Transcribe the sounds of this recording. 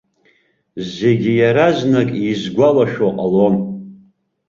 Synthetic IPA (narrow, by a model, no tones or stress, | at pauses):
zeɡʲijaɾaznakʼizɡʷalaʃoqʼalon